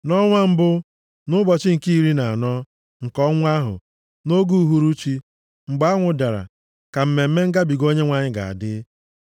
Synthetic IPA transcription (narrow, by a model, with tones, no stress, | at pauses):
nɔ˦ŋʷa˦m̩˦bʊ˦ | nʊ˦bɔ˨t͡ʃɪ˦ŋ̩˨ki˦ɾi˦na˨a˨nɔ˦ | ŋ̩˨kɔ˦ŋʷ˦a˦ɦʊ̰˨ | no˦ɡu˦ɦu˦ɾu˦t͡ʃi˦ | ŋ͡m̩˨ɡ͡bŋʷʊ˨da˨ɾa̰˨ | ka˨m̩˦me˨m̩˦me˦ŋ̩˦ɡa˦bi˨ɡo˦ɲe˦ŋʷa˨ɲɪ˦ɡa̰˨a̰˨dɪ˦